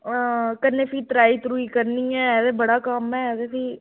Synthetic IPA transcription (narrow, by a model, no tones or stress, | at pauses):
kəɾneːpiːt̪ɾaːiːt̪ɾuːiːkəɾniːɛːsebəɽaːkaːmɛːdeːpiː